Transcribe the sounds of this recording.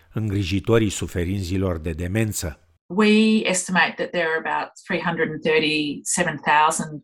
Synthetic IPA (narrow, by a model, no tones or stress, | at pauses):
ɨŋɡɾiʒit̪oɾisufe̞ɾint̪zilo̞rd̪e̞d̪e̞me̞nt̪sə | wiɛstɨmeɪt̪̚ðɨt̪̚ðə˞ɨbaʊt̪̚θɹiɦʌ̃ndɹɨdn̩θɜ˞ɾisɛvə̃nθaʊzə̃nd̥